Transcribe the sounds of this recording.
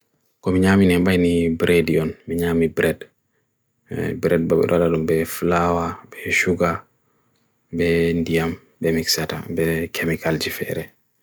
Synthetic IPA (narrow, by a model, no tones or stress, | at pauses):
kɔmiɲaːminɛmbajnibɾʔediɔnmiɲaːmibɾɛd | bɾɛd̚babɛ̰ɗɔladumbɛflawabɛʃuɡa | bɛndijam | bɛmiksata̰bɛkʰemikald͡ʒifɛ̰ɾɛ